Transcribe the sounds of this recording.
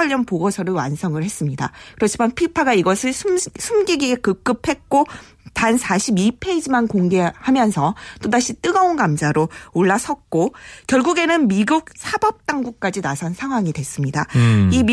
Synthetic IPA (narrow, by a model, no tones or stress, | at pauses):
aʎːʌnpoɡʌsʰʌɾɯɭwa̰nsʰʌŋɯɭhe̞s͈ɯmɲida̰kɯɾʌt͡ɕʰimanpʰipʰaɡaiɡʌsʰɯɭsʰumsʰumɡiɡiekɯk͈ɯp̚ʰhe̞k̚k͈o | tansʰaɕʰibipʰe̞id͡ʑimankoŋɡe̞hamjʌnsʰʌt͈odaɕʰit͈ɯɡʌonɡamsʰaɾooɭːas͈ʰʌk̚k͈okjʌɭɡuɡe̞nɯnmiɡuk̚sʰabʌp̚t͈aŋɡuk̚k͈ad͡ʑinasʰʌnsʰaŋɦwaŋidwe̞s͈ɯmɲida̰im